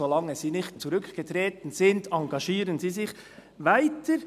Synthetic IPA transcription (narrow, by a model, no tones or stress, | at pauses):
olɑŋːəziːnɪxtt͡suɾʏkʰɡ̥ətɾeːtn̩zɪndɑŋɡɑʃiːɾənziːzɪç | vaɪtʰəɾ